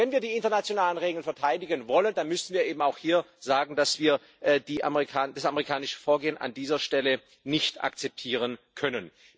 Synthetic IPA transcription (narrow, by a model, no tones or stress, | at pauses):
vɛnviːɐdiːɪntɐnat͡sjonaːlənʁeːɡl̩fɛɐtʰaɪdɪɡənvɔləndanmʏsn̩viːɐʔeːbm̩aʊxhiːɐz̥aːɡŋ̩d̥asv̥iːɐ | ʔɛdiːʔamʁikʰaːd̥asameʁikʰaːnɪʃə̥foːɐɡeːənʔa̰ndiːzɐʃtɛlə | nɪçtʔa̰kt͡sɛp̚tʰiːʁənkʰœnən